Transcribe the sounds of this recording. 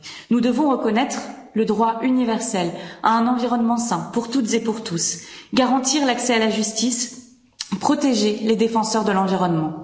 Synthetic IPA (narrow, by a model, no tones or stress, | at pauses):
nud̪əvɔ̃ʁəkɔnɛt̪χ | ləd̪ʁwaynivɛʁsɛlaɛ̃nɑ̃viʁɔnmɑ̃sɛ̃puʁt̪ut̪zepuʁt̪usɡaʁɑ̃t̪iʁlaksɛalaʒyst̪is | pχɔt̪eʒeled̪efɑ̃sœʁd̪əlɑ̃viʁɔnmɑ̃